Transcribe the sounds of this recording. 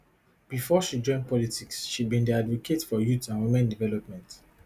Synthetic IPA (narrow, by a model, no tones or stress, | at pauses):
b̥ifɔʃid͡ʒɔ̃ɪ̃n̚pʰɔlitʰiksʃid̚bĩndiadvɔkʰetfɔjutãnwimɛ̃ndivɛlɔp̚mɛ̃nt